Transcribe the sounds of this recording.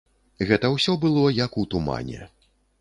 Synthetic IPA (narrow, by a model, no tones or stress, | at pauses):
ɣɛt̪ɐwsʲɔbɨlˠɔjɐkut̪uma̰nʲɛ̰